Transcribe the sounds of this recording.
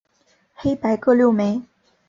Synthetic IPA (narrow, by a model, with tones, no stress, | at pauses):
xe˥ɪpa˧˥ɪkɤ˥˧ljo˥˩ʊme˧˥˦ɪ